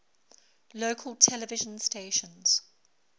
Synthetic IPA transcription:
lokʰəlˠtʰɛləvɪʒə̃nsteɪʃə̃nz̥

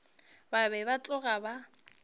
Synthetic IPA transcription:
babɛbat͡ɬʼʊɣaba

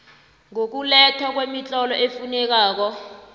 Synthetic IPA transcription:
ŋok̬ulɛtʰɔak̬wemit͡ɬʼɔlɔʔefunɛk̬aːk̬ɔ

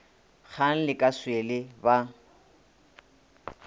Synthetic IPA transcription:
k͡xʰan̩lɪkʼaswelɪba

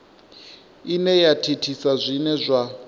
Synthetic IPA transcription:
inɛjatʰitʰisazʷinɛzʷa

